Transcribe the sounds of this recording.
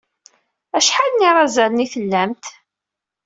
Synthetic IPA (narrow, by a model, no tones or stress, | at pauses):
æʃħalniɾˤɑzælniθəlːæmt̪